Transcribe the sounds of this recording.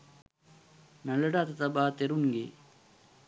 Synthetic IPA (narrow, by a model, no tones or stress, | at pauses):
nɐləɖat̪ɐt̪ɐbaːt̪eɾunɡḛ